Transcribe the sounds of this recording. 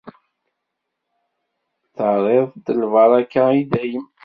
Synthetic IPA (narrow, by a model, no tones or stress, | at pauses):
θəɾˤeðˤd̪əlvɑɾˤɑkːaid̪æjəm